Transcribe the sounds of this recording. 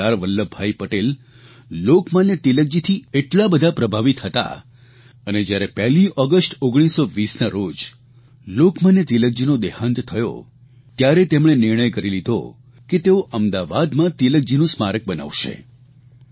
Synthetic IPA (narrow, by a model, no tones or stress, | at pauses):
aɾʋəlːəbʱaipəʈel | lokmanet̪ilək̚d͡ʒit̪ʰieʈlabəd̪ʱapɾəbʱaʋit̪ɦət̪a̰ | əned͡ʒjaɾepɛɦliʔɔɡəsʈoɡɽ̃isoʋisnaɾod͡ʒ | lokmanet̪ilək̚d͡ʒinod̪ehãnt̪t̪ʰəjo̰ | t̪jaɾet̪emɽ̃enɪɾɳ̃əjkəɾilid̪ʱo̰ | ket̪eoʔəmd̪aʋad̪mãt̪ilək̚d͡ʒinũsmaɾək̚bəna̰ʋʃḛ